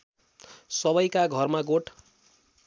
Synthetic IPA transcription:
sʌbʌjkaɡʱʌrmaɡoʈʰ

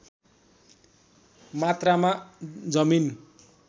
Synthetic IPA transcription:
mat̪ramad͡zʌmin

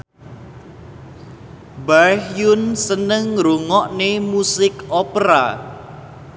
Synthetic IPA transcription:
bahjʊnsənəŋɾuŋɔʔnemusɪkʔɔpɾa̰

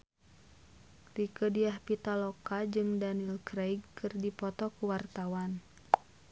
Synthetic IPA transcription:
rikədiahpit̪alɔkad͡ʒɨŋdanilkɾejɡkʰɨrdipɔt̪ɔkuwart̪awan

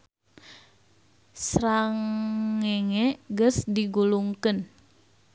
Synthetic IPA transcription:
sɾaŋeŋeɡəsdiɡuluŋkən

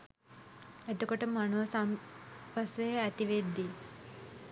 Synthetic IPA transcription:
et̪okoʈəmanuʋsampasejəæt̪iʋed̪ːi

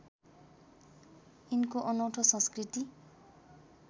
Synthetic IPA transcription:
inkoʔʌnʌwʈʰʌsʌ̃skrit̪i

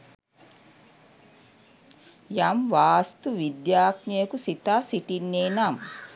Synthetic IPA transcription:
jamʋaːst̪uʋid̪jaːknijekusit̪aːsiʈinːeːnam

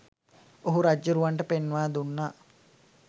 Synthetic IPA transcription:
oɦuɾad͡ʒːəɾuʋaɳʈəpenːʋaːd̪unːaː

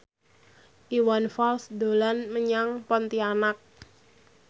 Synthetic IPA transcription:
ʔiwanfɔlsd̪o̤lanməɲaŋpɔnt̪ianak̚

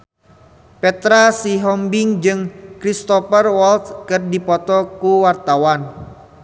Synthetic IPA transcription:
pɛt̪ɾasiɦɔmbɪŋd͡ʒɨŋkɾist̪ɔfərwɔlt̪kɨrdipɔt̪ɔkuwart̪awan

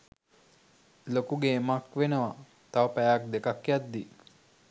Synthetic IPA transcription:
lokuɡeːmakʋenəʋa | t̪aʋəpæjak̚d̪ekakjat̪̚d̪i

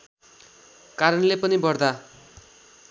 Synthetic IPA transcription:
kaɾʌnlepʌnibʌrd̪a

